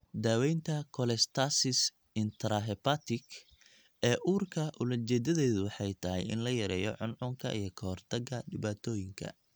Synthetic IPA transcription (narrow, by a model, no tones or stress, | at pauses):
d̪aːwɛjnt̪ʰɐkʰɔlɛst̪ʰasɪs | ɪnt̪ʰɾaɦɛpat̪ɪk | ɛːʔuːrkʰɐʔʊlɐt͡ʃɛːd̪ɐðɛːðʊwɑħɑjt̪ʰɐɦɛ̰jɪ̰nlɐjɐɾɛːjɔ̰ʕʊnʕʊŋkʰɐ̰ʔḭjɞkʰɐhɔrt̪ʰɐɡɐɖɪβaːt̪ʰɔːjɪŋkʰɐ̰